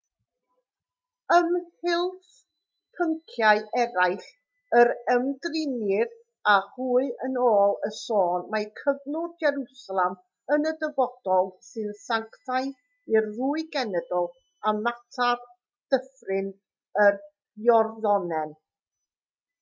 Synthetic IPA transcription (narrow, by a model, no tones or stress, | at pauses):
əmhɪlˠθ | pʰəŋkʰjaɨʔɛɾajχ | əɾəmdrɪnɪɾ | aruːɨənoːlˠəsoːnmajkʰəvnʊdd͡ʒɛɾusalˠɛm | ənədəvɔd̥ɔlˠsɨnsaŋktʰaɨ | ɪrruːɨɡɛnɛdɔlˠ | amatʰar | d̥əfrɨn | ər | jɔrðɔnɛn